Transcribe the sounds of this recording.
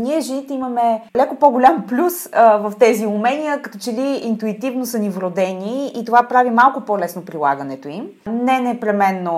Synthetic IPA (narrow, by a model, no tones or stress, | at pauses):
niɛʒɛnit̪ɛiməmɛlɛkopoɡolʲamplʲusvəft̪ɛziumɛnijəkɐt̪ɔt͡ʃɛliint̪uit̪ivnosənivɾod̪ɛniit̪ovapɾavimalˠkopɔlɛsnopɾilˠa̰ɡənɛt̪oimnɛnɛpɾɛmɛnːo